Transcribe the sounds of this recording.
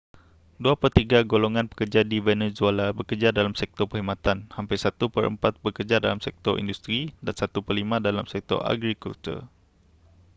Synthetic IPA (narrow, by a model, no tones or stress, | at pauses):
duapərt̪iɡaɡoloŋãnpə̥kərd͡ʒadivenezualabərkərd͡ʒadalamsɛk̚t̪ɔrpəhimãt̪anhampajsat̪upəɾə̰mpat̪̚bəkərd͡ʒadalamsɛk̚t̪ɔrḭndust̪ɾidansat̪upərlimãdalamsɛk̚t̪ɔ̰ra̰ɡɾikṵlt̪ṵr